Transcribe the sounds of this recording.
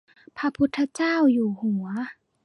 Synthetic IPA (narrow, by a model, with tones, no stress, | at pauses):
pʰa˧˥pʰu˧˦˥t̪ʰːa˧t͡ɕaː˥˩˨wjuː˨˩hu˨˩˦ɐ